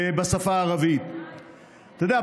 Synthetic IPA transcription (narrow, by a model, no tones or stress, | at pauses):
basafaːʁavit̪ | t̪od̪ea